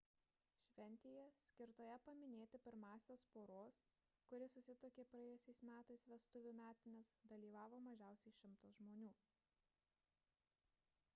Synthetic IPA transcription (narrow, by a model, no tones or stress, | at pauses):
ʃʲʋʲɛnʲt̪ʲeːjɛsʲkʲɪɾt̪oːjɛpɐmʲɪnʲeːt̪ʲɪpʲɪɾmɑːsʲeːspoːɾoːs | kʊɾʲɪsʊsʲɪt̪oːkʲeːpɾɐɛːjʊsʲɛɪsmʲæːt̪ɐɪsʋʲɛst̪ʊʋʲuːmʲæːt̪ʲɪnʲɛsd̪ɐlʲiːʋɑːʋoːmɐʒʲæˑʊsʲɛɪʃʲɪmt̪ʊsʒmoːnʲuː